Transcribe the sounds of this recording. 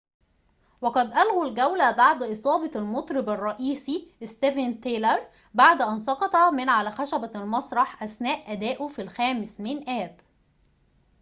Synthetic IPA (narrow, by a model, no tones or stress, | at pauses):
wæqɑd̪ʔælɣulɡæwlæbɑʕd̪ʔɨsˤɑːbɑlmot̪ˤɾɪbɑrˤːɑʔiːsist̪evænt̪eːlɑɾˤ | baʕd̪ʔænsˤɑqɑt̪ˤɑmɪnʕalæxæʃæbælmɑsˤɾˤɑħʔæsnæːʔːæd̪æːʔufilxæːmɪsmɪnʔæːb